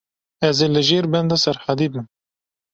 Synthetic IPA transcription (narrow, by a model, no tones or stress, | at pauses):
ɛzeːlɨʒeːɾbɛnd̪ɑsɛɾħad̪iːbɨn